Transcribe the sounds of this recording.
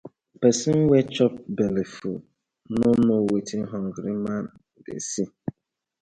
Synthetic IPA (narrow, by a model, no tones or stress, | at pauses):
pesiŋ̩wet͡ʃɔp̚belifṵ | nʊnʊwetiɦɔŋ̩ɡɾiman̩ | dḛsi